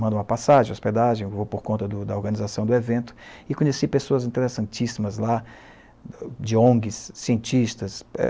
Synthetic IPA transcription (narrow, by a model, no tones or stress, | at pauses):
mɐ̃d̪ũmɐpasaʒẽosped̪aʒẽj̃vowpoɾkõnt̪ɐd̪ʊd̪ɐoɾɡɐ̃nizasɐ̃w̃d̪ʊevẽnt̪ʊ̥ɪkõɲesipesoɐzĩnt̪eɾesɐ̃nt͡ʃisimɐzla | d͡ʒɪõɡɪsːiẽnt͡ʃiʃt̪ɐsɛ̰